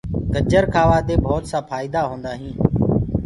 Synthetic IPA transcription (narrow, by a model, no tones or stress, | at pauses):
ɡəd͡ʒəɾkʰaːʋaːd̪eːbʱoːt̪sãːpʰaːɪːd̪aːɦõːnd̪aːɦĩː